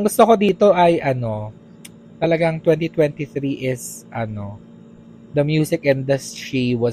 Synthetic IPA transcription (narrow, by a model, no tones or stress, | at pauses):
ŋɡʊst̪oko̞d̪iːt̪o̞ʔɐjʔɐno̞ | t̪ɐlɐɡaŋt̪wɛ̃nt̪it̪wɛ̃nt̪iθɾiʔɪsʔɐno̞ | d̪ɐmjuːsɪk̚ʔɛ̃nd̪ɐsiwɐ